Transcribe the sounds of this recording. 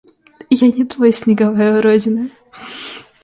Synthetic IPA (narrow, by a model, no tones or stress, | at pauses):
janʲɪt̪vojsʲnʲɪɡɐvajʊɾodʲɪnɨ